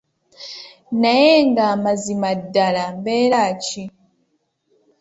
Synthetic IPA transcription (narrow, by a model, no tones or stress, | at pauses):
najɛŋɡamazimadalambɛːlat͡ʃi